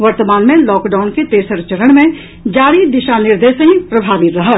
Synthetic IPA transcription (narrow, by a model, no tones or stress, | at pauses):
ʋəɾt̪əmaːnmẽlɔːkɖaːʊnket̪eːsəɾt͡ʃəɾəɽ̃mẽ | d͡ʒaːɽid̪ɪʃanɪɾd̪eːʃəɦĩpɾɐbʱaːʋɪt̪ɾɐɦət̪